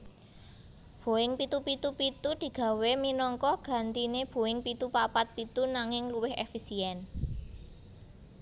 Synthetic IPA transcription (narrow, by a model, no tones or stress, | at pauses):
b̥o̤ɪŋpit̪upit̪upit̪ud̪̥i̤ɡ̥ä̤weminɔŋkɔɡ̥ä̤nt̪ineb̥o̤ɪŋpit̪upapat̪̚pit̪unaŋɪŋluwɪhḛfisiɛn